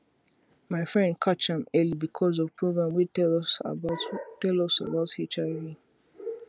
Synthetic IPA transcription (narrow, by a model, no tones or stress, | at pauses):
maɪfɹɛ̃ndkʰat͡ʃãmɛlibikʰɔzɔvpʰɹoɡɹãmwiɛ | tɛlɔsa̰baʊthet͡ʃaɪvi